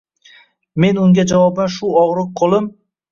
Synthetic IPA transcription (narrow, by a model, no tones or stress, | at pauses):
me̞nʊŋɡʲad͡ʒavɒbanʃʊɒʁɾɨq̚qʰolˠɪm